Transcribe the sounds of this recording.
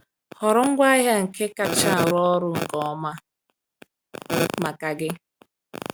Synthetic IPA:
hɔ˨ɾʊ˦ŋ̩˦ɡʷa˦ɦja˦ŋ̩˨ke˦ka˨t͡ʃa˦˨ɾɔ˦ɾʊ˨ŋ̩˨kɔ˨˦ma˦ | ma˨ka˨ɡɪ˦

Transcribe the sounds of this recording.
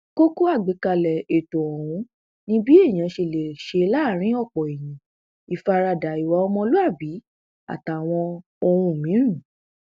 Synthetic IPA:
ko˦ku˦a˦˨ɡ͡be˨˦ka˧lɛ˨e˨to˨ɔ˨w̃ũ˧˦ | nĩ˦bi˦e˦˨j̃ã˨˧ʃe˧˨le˨ʃe˧la˦˨ɾ̃ĩ˨˦ɔ˦˨k͡pɔ˨e˨j̃ĩ˨˦ | i˨fa˧ɾa˧da˨i˨wa˧˦ɔ˧mɔ̃˧lo˦a˦˨bi˨˦ | a̰˨ta˨w̃ɔ̃˧ | o˧ɾũ˧˨mĩ˨˦ɾ̃ũ˦˨

